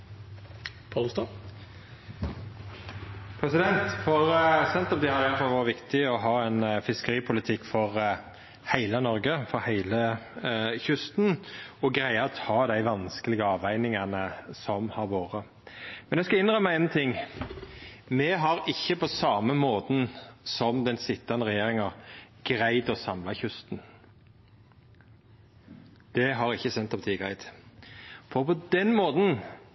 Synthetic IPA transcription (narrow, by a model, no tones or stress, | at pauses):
pʰɑlst̪ɑ | pʰɾɛsɪd̪ɛnt̪fɔʁsɛnt̪ɔp̚d̪ɛhɑɾɪjæɾfɑlʋɑːɾʋɪkt̪ɪɔɦɑːɛnfɪskəɾiːpʰʊlɪt̪ʰɪkːfɔʁ | hæɪlənɔɾɡəfɔɾhæɪlə | çʉst̪nɔɡɾæɪət̪ʰɑːd̪æɪʋɑnskəlɪɡəɑːʋæɪnɪŋɑnəsɔmhɑɾʋoːɾə | mɛnæskɑɪnʁœmæɪent̪ʰɪŋː | mɛɦɑɾɪçːəpʰɔsɑːməmoːt̪n̩sɔmd̪ɛnsɪt̪ːɑnəʁɛjeːʁɪŋɑ | ɡ̥ɾæɪd̪ɔsɑmlɑçʉst̪n | d̪̥ɛɦɑɾɪçːəsɛnt̪ːɑpʰɑt̪ʰiːɡʁæɪd̪ | fɔʁpʰɔd̪ɛnmoːt̪n̩